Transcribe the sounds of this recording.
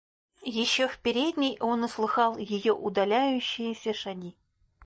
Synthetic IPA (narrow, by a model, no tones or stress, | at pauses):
jɪɕːofpʲɪɾʲed̪ʲnʲɪjonʊslˠɨxɑlˠjɪjoʔud̪ɐlʲæjʉɕːɪjɪsʲɐʂaɡʲi